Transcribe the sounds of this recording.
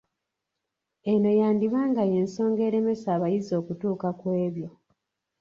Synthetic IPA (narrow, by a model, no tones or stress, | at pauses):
eno̞jaːndiβaːŋɡaje̞ːnso̞ːŋɡe̞ːɾe̞me̞saːβajizo̞ːkutuːkakwe̞ːβjo̞